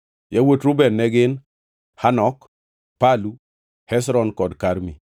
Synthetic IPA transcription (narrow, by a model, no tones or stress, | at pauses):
jawotɾʊbɛnːɛɡɪn | hanɔk | palu | hɛs̬ɾɔnkɔdkaɾmi